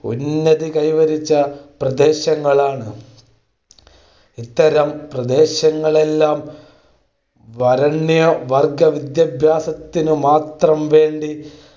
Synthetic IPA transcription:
ṵnːɐðikɐjʋɐɾit͡ɕːɐprɐd̪e̞ːɕɐŋːɐɭaːɳɨ | it̪ːɐɾɐmprɐd̪eːɕɐŋːɐɭe̞lːaːm | ʋɐɾɐɳːjoʋɐrɡɐʋid̪jɐbʱjaːsɐt̪ːinɨmaːt̪rɐmʋe̞ːɳɖi

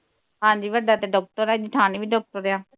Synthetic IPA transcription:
ɦãːd͡ʒiːʋəɖaːt̪eɖɔːk̚ʈəɾaːd͡ʒɪʈʰaːniːʋiːɖɔːk̚ʈəɾeãː

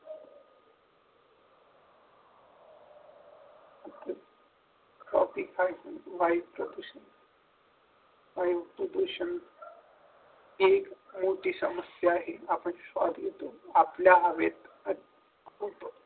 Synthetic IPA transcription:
at̪ːəɾ | sɔ̰t̪ikajʋajʋpɾəd̪uɕən | ʋajʋpɾəd̪uɕən | ekmoʈiːsəməsjaːɦeapəɳsʋa̰d̪ʱit̪oapljaːʋet̪ | ə | kʰup

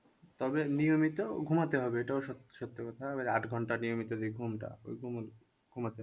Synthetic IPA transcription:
t̪ɔbenijomit̪oɡʱumat̪eɦɔbeeʈaoʃt̪ʃɔt̪ːekɔt̪ʰaabaɾaʈɡʱɔɳʈanijomit̪od̪ijɡʱumʈa̰o̰jɡʱumol | ɡʱumat̪eɦ

